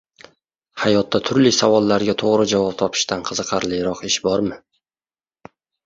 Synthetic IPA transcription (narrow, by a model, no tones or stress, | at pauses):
hajɒt̪ːat̪ʰʊɾlisavɒlˠːaɾɡʲat̪ʰoʁɾɪd͡ʒavɒp̚t̪ʰɒpʰɪ̥ʃt̪anqʰɨzɨqʰɑɾlɪjɾɒqɪʃbɒɾmɪ